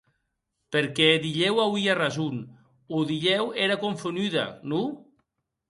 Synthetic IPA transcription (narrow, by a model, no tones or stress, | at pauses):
peɾkɛðiʎɛwawiarazun | uðiʎɛweɾakoɱfonyða̰nu